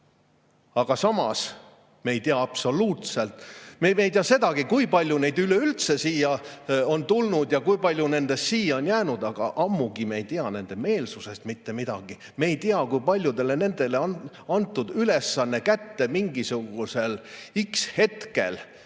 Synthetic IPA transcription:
ɑɡ̥ɑsɑmɑ̰s | meejt̪iɑɑpso̞luːt̪se̞lt̪ːˑmemejt̪iɑse̞d̪̥ɑɡ̥ikujpɑlʲjune̞jd̪yløylt̪se̞siːjɑo̞nt̪ulnud̪̥jɑkujpɑlʲjune̞nd̪̥e̞st̪siːjːɑonjæːnud̪ɑɡ̥ɑ̰ʔɑmːuɡ̥imejt̪iɑne̞nd̪̥e̞me̞ːlsuse̞st̪mit̪ːe̞mid̪̥ɑ̰ɡ̥i | meːjt̪iɑkujpɑlʲjud̪e̞le̞ne̞nd̪̥e̞le̞ɑn | ɑnt̪ːˑud̪̥yle̞sːɑnːe̞kæt̪ːe̞miŋɡisuɡ̥use̞likshe̞t̪ke̞̰l

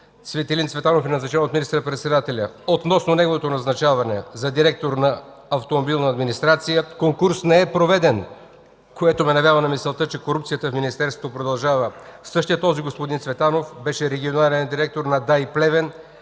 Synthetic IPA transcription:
svɛt̪ɛlint̪svɛt̪anofɛnɐznɐt͡ʃɛvot̪minist̪əɾəpɾɛt̪sɛd̪at̪ɛlʲə | ot̪nɔsnonɛɡovot̪onɐznɐt͡ʃavɐnɛzɐd̪iɾɛk̚t̪oɾnɐː | ft̪omobilˠnɐːd̪minist̪ɾat̪sijəkoŋkuɾsnɛɛpɾovɛd̪ɛn | koɛt̪omɛnɐvjavənɐmisɛlˠt̪ət͡ʃɛkoɾupt̪sijət̪əfminist̪ɛɾst̪vot̪opɾod̪ɐlˠʒavəsɤʃt̪ijət̪ːɔziɡospod̪int̪svɛt̪anofbɛʃɛɾɛɡʲionalɛnd̪iɾɛk̚t̪oɾnɐd̪ajplɛvɛn

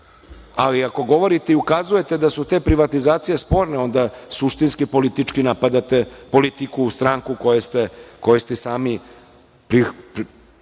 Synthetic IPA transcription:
aliako̞ɡo̞ʋo̞ɾit̪eiukazuje̞t̪e̞d̪asut̪e̞ːpɾiʋat̪izaːt̪sije̞spo̞ːɾneo̞nd̪asuʃt̪inskipo̞lit̪it͡ʃkinapad̪at̪e̞po̞lit̪ikust̪ɾaːŋkuko̞jest̪e̞ko̞jest̪ɛsaːmi | pɾip

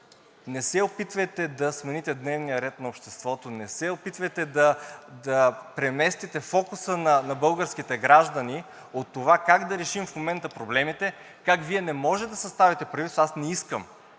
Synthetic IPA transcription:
nɛsɛopit̪vɐjt̪ɛd̪ɐsmɛnit̪ɛd̪nɛvnijəɾɛt̪nɐopʃt̪ɛst̪vɔt̪onɛsɛopit̪vɐjt̪ɛd̪ɐd̪ɐpɾɛmɛst̪it̪ɛfɔkʊsənɐnɐbɤlˠɡəɾsk̟it̪ɛɡɾaʒd̪ɐni | ot̪ːovakaɡd̪ɐɾɛʃimfmomɛnt̪əpɾoblɛmit̪ɛ | kakviɛnɛmɔʒɛt̪d̪ɐsɐst̪avit̪ɛpɾɐd̪it̪sasnɛiskəm

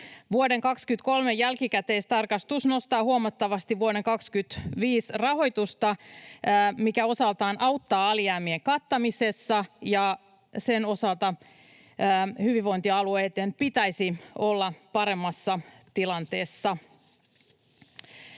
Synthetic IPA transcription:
ʋuode̞ŋkɑkskyt̪ko̞lmejælkikæt̪eːst̪ɑrkɑst̪usno̞st̪ɑːhuomɑt̪ːɑʋɑst̪iʋʋuoɾeŋkɑkskyt̪ʋiːsrɑɦo̞jt̪ust̪ɑː | mikæo̞sɑlt̪ɑːnʔɑwt̪ːɑːɑliæːmieŋkɑt̪ːɑmise̞sːɑjɑ | seno̞sɑlt̪ɑ | hyʋiʋo̞int̪iɑlueːt̪enpit̪æjsio̞lːɑpɑɾe̞mːɑsːɑ | t̪ilɑnt̪eːsːɑ

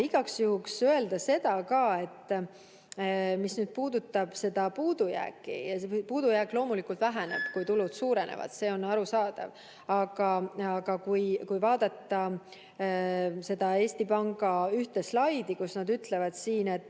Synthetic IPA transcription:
iɡ̥ɑksjuhuksøe̞ld̪ɑse̞d̪̥ɑkɑːe̞t̪ːˑ | misnyːd̪̥̚puːd̪̥ut̪ːˑɑb̥se̞d̪̥ɑpuːd̪̥ujæ̰ːkːˑḭjɑpuːd̪̥ujæːkˑlo̞ːmulikult̪væɦænḛb̥kujt̪ulud̪̥suːɾe̞nḛvɑ̰d̪̥se̞ːo̞nːɑɾusɑːd̪̥ɑ̰v | ɑɡ̥ɑɑɡ̥ɑkujkujvɑːd̪ɑt̪ːɑ | se̞d̪̥ɑe̞ːst̪ipɑŋɡ̥ɑyht̪e̞slɑjd̪̥ikusnɑd̪yt̪ˑle̞vɑd̪̥siːne̞t̪ːˑ

